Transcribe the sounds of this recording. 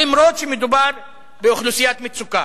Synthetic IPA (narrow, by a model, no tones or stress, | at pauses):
imɾot̪ʃemed̪ubaɾ | beuχlusijat̪mit͡suka